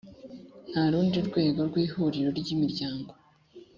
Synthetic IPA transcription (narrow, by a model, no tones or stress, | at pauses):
haɾuːndiuɾɡwe̞ːɡo̞ɾɡwiːhuɾiɾo̞ɾɟimiɾɟaːŋɡo